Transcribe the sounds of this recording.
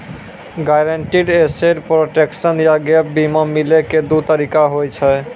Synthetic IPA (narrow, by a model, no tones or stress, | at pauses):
ɡajɾəɳʈiɖeseɾpɾoʈeksənjaɡep̚bimɔmileked̪ut̪əɾikaɦojt͡ʃʰɛ